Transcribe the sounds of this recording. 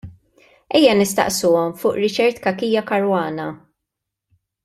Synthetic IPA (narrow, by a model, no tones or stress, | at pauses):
ɛjːɐnɪst̪ɐ̰ʔsuːɔmfʊːʔɾɪt͡ʃɛɾt̪kɐkiːjɐkɐɾwɐːnɐ